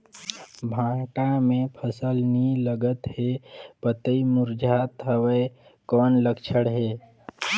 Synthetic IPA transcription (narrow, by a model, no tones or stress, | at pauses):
bʱãːʈamẽpʰəsəlniləɡət̪hepət̪əimuɾd͡ʒʱat̪ɦəwe | kɔːnləkt͡ʃʰəɽɦeː